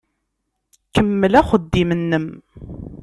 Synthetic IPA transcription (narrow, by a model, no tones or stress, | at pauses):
kəmːəlæχəd̪ːimənːəm